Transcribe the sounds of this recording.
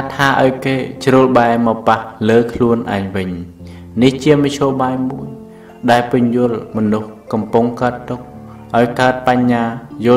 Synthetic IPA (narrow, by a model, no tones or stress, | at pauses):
t̪ʰːaːʔaɔjkeːt͡ɕruəlɓaɛmɑpahləːkʰluənʔa̰ɛɲʋɨɲ | niht͡ɕiəmɑc̚t͡ɕʰoːɓaːjmuəj | ɗaɛlpɨɲjʊəlmɔnuhkɑmpuŋkaət̪ːuk̚ | ʔaɔjkaət̪̚paɲːaːjʊ̆